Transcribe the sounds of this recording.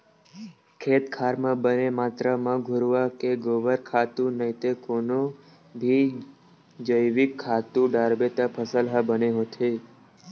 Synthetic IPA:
kʰet̪kʰaɾmãbənemat̪ɾəmãɡʱʊɾʋakeɡoʋəɾkʰat̪ũnəɦĩt̪ekono | bʱi | d͡ʒəjʋikʰːat̪ũɖaɾbet̪apʰəsəlɦabəneɦõt̪ʰe

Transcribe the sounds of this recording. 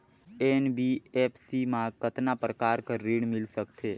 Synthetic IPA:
enbiepʰsimãkət̪napɾəkaːɾkəɾːiɽmɪlsəkt̪ʰe

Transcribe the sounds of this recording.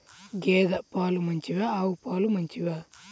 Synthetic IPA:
ɡeːd̪ɐpaːlumɐɲt͡ʃiʋaːwupaːlumɐɲt͡ʃiʋaː

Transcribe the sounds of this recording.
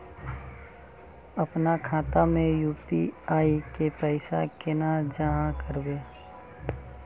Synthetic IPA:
əpnakʰaːt̪amẽjuːpiaːikepəɪsakɪnad͡ʒaɦãkəɾbeː

